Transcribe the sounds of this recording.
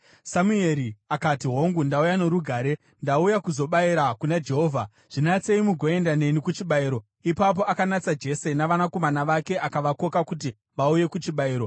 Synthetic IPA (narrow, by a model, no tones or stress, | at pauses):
samue̞ɾiakatiɦo̞ŋɡundaujaneɾuɡʱaːɾe̞ | ndaujakuzo̞ɓaiɾakunad͡ʒe̞ɦo̞ːvʱa | ʐ̥inat͡se̞imuɡʱoe̞ndane̞nikut͡ʃiɓaiːɾo̞ | ipap̬o̞akanat͡sad͡ʒe̞se̞naʋanako̞manaʋake̞ʔakaʋako̞kakut̬i | ʋauje̞kut͡ʃiɓaiːɾo̞